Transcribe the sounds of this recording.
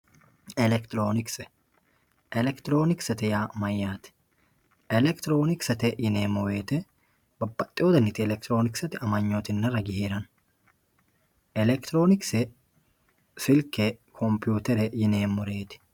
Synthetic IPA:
ɛlɛkt̪ɪɾoːnɪksɛ | ʔɛlɛkt̪ɪɾo̞ːnɪksɐt̪ɪjaːmɐjːaːt̪ɪ̥ | ʔɛlɛkt̪ɪɾo̞ːnɪksɐt̪ɛjɪneːmːɔwe̞ːt̪ɛ | bɐbːɐt̪ʼːɪjoːd̪ɐnːɪt̪ɪɛlɛkt̪ɪɾo̞ːnɪksɐt̪ɪɐmɐɲːot̪ɪnːɐɾɐɡɪheːɾɐn | ʔɛlɛkt̪ɪɾo̞ːnɪksɛ | sɪlkːɛkʰɔmpɪjuːt̪ɛɾɛjɪne̞ːmːɔɾe̞ːt̪ɪ̥

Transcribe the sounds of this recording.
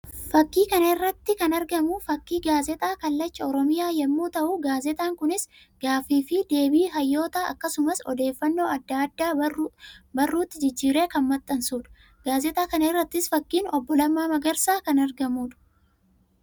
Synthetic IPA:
fɐkːiːkɐnɐɪrːɐt̪ːɪkɐnɐɾɡɐmʊfɐkːiːɡaːzɛt̪ʼaːkɐlːɐt͡ʃːɐɔɾɔmɪjaːjɛmːuːt̪ɐʔuɡaːzɛt̪ʼaːŋkʊnɪs | ɡ̥aːfiːfɪd̪e̞ːbiːɦɐjːo̞ːt̪aːʔɐ̰kːɐsʊmɐsɔd̪e̞ːfːɐnːo̞ːɐd̪ːaɐd̪ːaː | bɐrːuːt̪ːɪd͡ʒɪd͡ʒːiːɾe̞ːkɐnmɐt̪ʼːɐnsuːᶑɐ̥ | ɡ̥aːzɛt̪ʼaːkɐnɐɪrːɐt̪ːɪsfɐkːiːnɔbːɔlɐmːaːmɐɡɐɾsaːkɐnɐɾɡɐmuːᶑʊ̥

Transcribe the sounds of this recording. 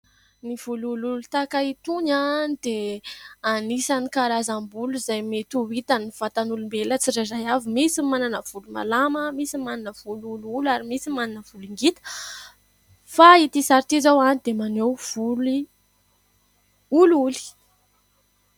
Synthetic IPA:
niv̥ulululut̪akait̪uɲanid̪e | anisanikaɾazambuluzajmet̪uwit̪aniv̥at̪anulumbelət͡siɾazajavimisimananəv̥uluma̰laməmisimananəv̥ulululaɾimisimaninəv̥uliŋɡit̪ə̥ | fait̪isaɾt̪izawanid̪emanewvuli | ululi̥

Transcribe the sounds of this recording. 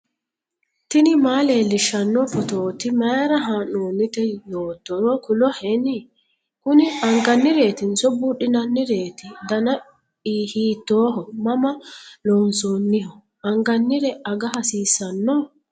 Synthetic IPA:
t̪ɪnɪmaːleːlɪʃːɐnːɔfɔt̪oːt̪ɪmɐɾɐɦaːnoːnːɪt̪ɛjoːt̪ːɔɾɔkʊlɔhɛnɪ | kʊnɪɐŋɡɐnːɪɾe̞ːt̪ɪnsɔbuᶑɪnɐnːɪɾe̞ːt̪ɪd̪ɐnɐ | iːhiːt̪ːoːɦɔmɐmɐlɔnsoːnːɪhɔ | ɐŋɡɐnːɪɾɛɐɡɐɦɐsiːsːɐnːɔ

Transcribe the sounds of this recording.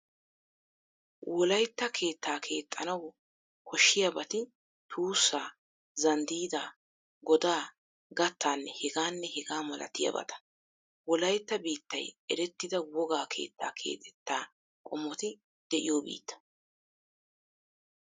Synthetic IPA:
wʔɔlɐjt̪ːɐkʰe̞ːt̪ːaːkʰe̞ːt̪ʼːɐnɐw | kʰɔʃːɪjɐbɐt̪ɪ | t̪ʰuːsːaː | zɐnd̪iːd̪aː | ɡɔd̪aː | ɡɐt̪ʰːaːnːɛhɛɡaːnːɛhɛɡaːmɐlɐ̰t̪ɪjɐ̰bɐ̰t̪ɐ̥ | wɔlɐjt̪ːɐbiːt̪ːɐjʔɛɾɛt̪ːɪd̪ɐwɔɡaːkʰe̞̰ːt̪ːa̰ːkʰe̞̰ːt̪ʰɛ̥t̪ːaː | kʼɔmːɔt̪ɪ | d̪̥ɛʔɪ̰joːbḭːt̪ːɐ̥

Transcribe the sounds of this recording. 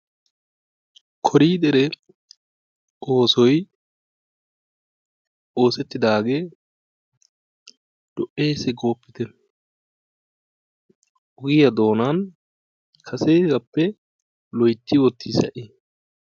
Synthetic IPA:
kʰɔɾiːd̪ɛɾɛ | ʔoːsɔj | ʔo̞ːsɛt̪ːɪd̪aːɡeː | d̪̥ɔʔːe̞ːsɛɡo̞ːpːɪt̪ɛ | ʔʊɡɪjɐd̪o̞ːnaːn | kʰɐseːɡɐpːɛ | lɔjt̪ːɪwɔt̪ːisɐ̰ʔɪ

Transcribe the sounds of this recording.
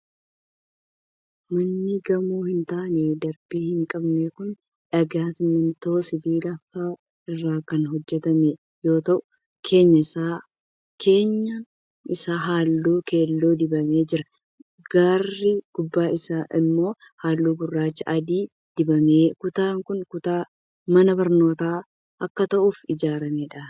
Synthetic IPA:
mɐnːɪɡɐmuːhɪnt̪aːned̪ɐɾb̥iːhɪŋkʼɐbnekʊn | ᶑɐɡaːsɪmːɪnt̪oːsɪbiːlɐfaː | ɪrːaːkɐnɦɔd͡ʒːɛt̪ɐme | jo̞ːt̪ɐʔʊ | kʰe̞ːɲːɐɪsaː | kʰe̞ːɲːɐ | ɪsaːɦaːlːuːke̞ːlːuːd̪ɪbɐme̞ːd͡ʒɪɾɐ | ɡ̥arːɪɡ̥ʊbːaːɪsaːʔɪmːo̞ː | haːlːuːɡʊrːaːt͡ʃːɐʔɐd̪iː | d̪̥ɪbɐmeːkʊt̪aːŋkʊnkʊt̪aː | mɐnɐbɐɾno̞ːt̪aː | ʔɐkːɐt̪ɐʔuːfɪd͡ʒaːɾɐmeːᶑa

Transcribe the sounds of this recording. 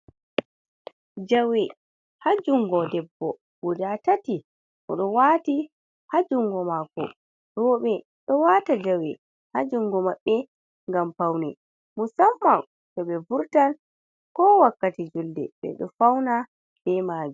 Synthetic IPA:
d͡ʒawɛ | had͡ʒuŋɡɔdɛbːɔ | wudatati | ʔɔ̰ɗɔwati | had͡ʒuŋɡɔmakɔ̰ | ɾɔɓɛ | ɗɔwatad͡ʒawɛ | had͡ʒuŋɡɔmaɓːɛ | ŋɡampawnɛ | musamːa | d͡ʒɔɓɛbuɾtal | kɔwakːatid͡ʒuldɛ̰ɓɛ̰ɗɔ̰fawna | b̥ɛmaːd͡ʒu

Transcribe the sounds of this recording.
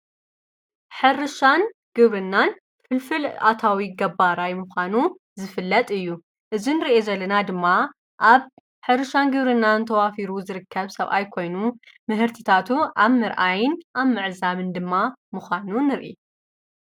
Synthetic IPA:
ħɨrɨʃanɡ̥ɨβɾɨnːan | fɨlfɨla̰t̪ʰawiɡɐbaɾajmuxʷanu | zɨfɨlːɐt̪ʼɨjːu | ʔɨzinɨɾiʔezɐlːɐnad̪ɨmːa | ʔaβ | ħɨɾɨʃanɡɨβɾɨnːant̪ʰɐwafiɾuzɨɾɨkʰːɐβsɐβʔa̰jkʰo̞jnu | mɨɦɨɾt̪ʰit̪ʰat̪ʰuʔaβmɨɾʔajɪnʔaβmɨʕzaβɨnd̪ɨmːamɨxʷanunɨɾʔḭ

